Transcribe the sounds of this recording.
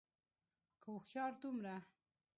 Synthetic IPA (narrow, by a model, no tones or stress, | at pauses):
kaxjɑɾd̪umɾa